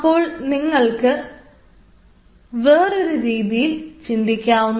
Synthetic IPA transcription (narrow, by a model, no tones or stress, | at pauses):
ɐpːo̞ːɭniŋːɐɭkɨ | ʋeːroɾuɾiːðit͡ɕind̪ikʲːaːʋunː